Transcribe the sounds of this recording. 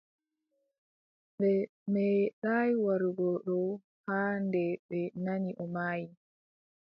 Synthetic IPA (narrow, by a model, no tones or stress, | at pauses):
ɓɛ | mɛɗaːjwaɾuɡɔɗɔ | haːndɛɓɛnaniʔɔmaːji